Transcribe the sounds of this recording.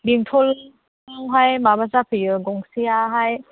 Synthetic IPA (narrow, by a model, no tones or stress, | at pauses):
biŋtʰɔl | aŋɦajmabazapʰɯjɯɡɔŋsijaɦaj